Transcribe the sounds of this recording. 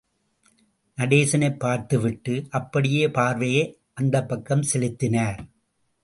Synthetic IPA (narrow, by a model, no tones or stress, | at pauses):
nɐɽeːsɐnɐɪpːaːɾt̪ɯʋɪʈːɯʔɐpːɐɽɪjeːpaːɾʋɐje | ʔɐnd̪ɐpːɐkːɐmsɛlɪt̪ːɪnaːɾ